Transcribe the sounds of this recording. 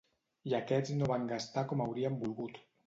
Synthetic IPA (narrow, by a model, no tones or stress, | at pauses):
iakɛd͡znoβaŋɡast̪akɔmawɾiambulˠɣut̪